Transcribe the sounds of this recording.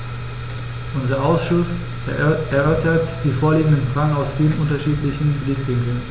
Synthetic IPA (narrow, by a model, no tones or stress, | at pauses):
ʔʊnzɐʔaʊsʃʊs | ɛɐʔœɐtɐtd̥iːfoːɐliːɡŋ̩dənfʁ̥aɡŋ̩aʊsfiːlənʔʊntɐʃiːtlɪçn̩bliːtvɪŋkl̩n